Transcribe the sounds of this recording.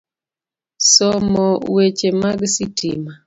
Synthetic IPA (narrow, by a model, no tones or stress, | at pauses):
sɔmɔwet͡ʃemaɡsitima